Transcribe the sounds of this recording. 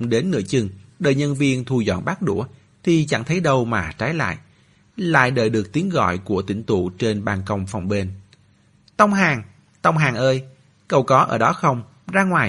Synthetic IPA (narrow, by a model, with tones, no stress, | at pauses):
ɗe˨˦nːɨ̰˧˥ət͡ɕɨ˨˩ŋɗəː˨˩jɲə˧nvi˧ənt̪ʰu˧zɔ̰˧˨nɓa˦˥k̚ɗṵ˧˩ə | t̪ʰi˨˩t͡ɕa̰˧˩ŋt̪ʰə˨˦jɗə˧wmaː˨˩t͡ɕaː˨˦jla̰ː˧˨jʔ | la̰ː˧˨jɗə̰ː˨˩jɗɨ˨˩ək̚t̪i˨˦ənɣɔ̰˧˨jku˧˩ət̪ï˧˩ŋt̪ṵ˧˨t͡ɕe˧nɓaː˨˩nkə˧wŋ͡mfa˨˩wŋ͡mɓe˧n | t̪ə˧wŋ͡mɦaː˨˩ŋ | t̪ə˧wŋ͡mɦaː˨˩ŋʔəː˧j | kə˨˩wkɔ˨˦ʔəː˧˩ɗɔ˨˦xə˧wŋ͡m | zaː˧ŋwaː˨˩